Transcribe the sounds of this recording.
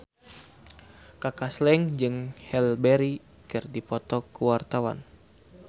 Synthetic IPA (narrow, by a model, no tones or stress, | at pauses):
kakaslɛŋd͡ʒɨŋhɛlbɛɾi | kɨrdipɔt̪ɔkuwart̪awa̰n